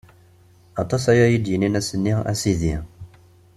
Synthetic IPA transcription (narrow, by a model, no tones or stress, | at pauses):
ɑt̪ˤɑsæjæjid̪jəninæsənːiæ̰siði